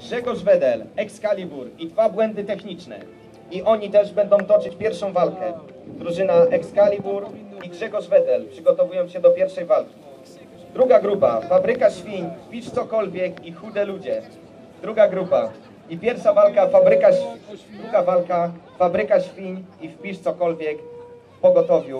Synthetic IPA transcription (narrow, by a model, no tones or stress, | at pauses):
ɡʐɛɡɔʐvɛd̪ɛlɛkskalʲibuɾid̪vabwɛnd̪ɘt̪ɛxɲit͡ʂnɛ̰ | iʔɔɲit̪ɛʐbɛnd̪ɔ̃w̃t̪ɔt͡ʂɘt͡ɕpʲjɛɾfʂɔ̃w̃valkɛ | d̪ɾuʐɘnaʔɛkskalʲibuɾiɡʐɛɡɔʐvɛd̪ɛlpʂɘɡɔt̪ɔvujɔ̃w̃ɕɛd̪ɔpʲjɛɾfʂɛjvalkʲi̥ | d̪ɾuɡaɡɾupa̰fabɾɘkaɕfʲiɲfpʲiʂt̪sɔkɔlvʲjɛkixud̪ɛlud͡ʑɛ | d̪ɾuɡaɡɾupa | ipʲjɛɾfʂavalkafabɾɘkaɕd̪ɾuɡavalkafabɾɘkaɕfʲiɲifpʲiʂt̪sɔkɔlvʲjɛk | pɔɡɔt̪ɔvʲju